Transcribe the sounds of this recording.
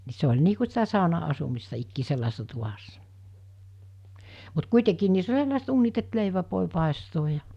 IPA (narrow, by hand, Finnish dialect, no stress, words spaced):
ni se olʲ niː ku sitæ sɑˑonɑɑsumistɑ ikːiː selːɑese̥sːɑ tuʋɑsːɑ mut kuitekiːn niːsː olʲ selːɑˑeset uːnit et leiʋæʋ ʋoˑe pɑˑestoːj jɑ